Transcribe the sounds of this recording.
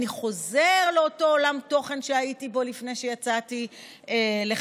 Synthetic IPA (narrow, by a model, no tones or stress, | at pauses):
niχo̞zeʁleoto̞olamto̞χe̞nʃeaitibo̞lifne̞jʃejat͡sati | ele